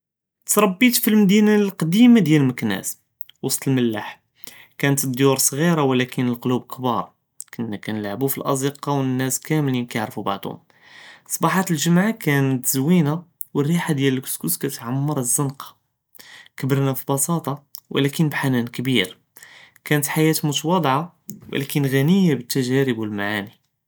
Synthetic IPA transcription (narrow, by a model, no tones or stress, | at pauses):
t̪ɾˤɑbːit̪filmd̪inalqɑd̪imad̪jæləlməknæ̰s | wɑsˤt̪ˤəlməlːa̰ħ | kænət̪əd̪juɾsˤɣiɾawlækənəlqolub̚kbɑɾˤɑ | kənːækænəlʕbufilʔɑ̰zˤəqɑwənːæskæmlinkæaʕɾfubaʕd̪hʊ̰m | sˤːɑbɑħɑt̪əlʒəmʕakænət̪zwina | wərːiħad̪jæləlkskuskæt̪ʕamːɑɾˤzːənqɑ̥ | kəbəɾnæfibɑsˤɑt̪ˤɑwʔlækənbħanænkbiɾ | kænət̪ħajæt̪mut̪wɑd̪ˤʕa | w̰lækənɣænəjːabət̪ːæʒæɾəbwəlmaʕani